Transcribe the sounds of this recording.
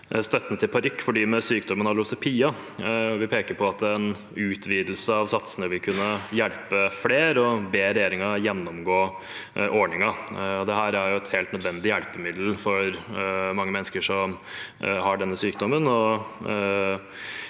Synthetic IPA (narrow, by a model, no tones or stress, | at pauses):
st̪œt̪ːnt̪ʰɪlpʰɑɾʏkːfɔɖiːmɛsyːkd̪ɔmənɑɾlʊsɛpʰiːɑ | ʋɪpʰeːkəɾpʰɔɑt̪̚d̪ɛɛn | ʉːt̪ʰʋiːd̪l̩səɑʋsɑt̪sənəʋɪlkʰʉnːəjæɭpəfleːɾɔbeːɾɛjeːɾɪŋɑjɛnːɔmɡoː | ʔɔɳɪŋɑɔd̪ɛɦæːɾæɾjʊɛt̪heːlt̪nəd̪ʋɛnd̪ɪjælpəmɪd̪l̩fɔɾmɑŋːəmɛnskəʂɔm | hɑɖɛnːəsyːkd̪ɔmənɔ